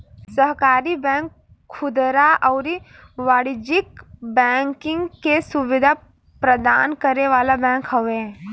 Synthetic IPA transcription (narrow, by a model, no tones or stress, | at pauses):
səɦkaːɾibɛ̃ːŋkʰː | ʊd̪ɾaʔɔːɾi | ʋaːɽid͡ʒɪkbɛ̃ːŋkɪ̃ŋɡkesʊʋɪd̪ʱa | pɾəd̪aːnkəɾneʋaːlabɛ̃ːkɦɐʋe